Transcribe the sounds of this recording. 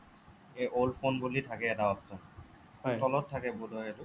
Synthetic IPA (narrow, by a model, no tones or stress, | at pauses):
eʔolpʰonbulitʰakɛːtaɔpsɔn | tɔlɔtʰːakɛbudʱɔetu